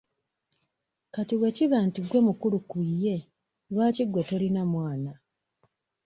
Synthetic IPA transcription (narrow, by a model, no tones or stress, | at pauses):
katiwe̞ciβaːntiɡwe̞mukulukije̞ | lwaːciɡwetolinamwaːna